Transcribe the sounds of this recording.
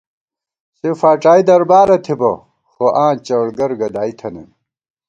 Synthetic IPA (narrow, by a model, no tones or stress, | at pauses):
sefaːʈ͡ʂaːid̪ɐɾbaːɾɐt̪ʰibɐ̰ | xoʔãːt͡ɕɐɽɡɐɾɡɐd̪aːit̪ʰɐnɐ̰n